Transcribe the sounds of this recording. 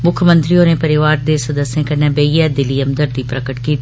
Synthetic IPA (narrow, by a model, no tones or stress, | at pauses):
mʊkʰmə̃nt̪ɾioːneːpəɾɪʋaːɾd̪eːsəd̪əsẽːkənẽːbeiɛːd̪ɪliːəmd̪əɾd̪iːpɾəkəʈkiːt̪ː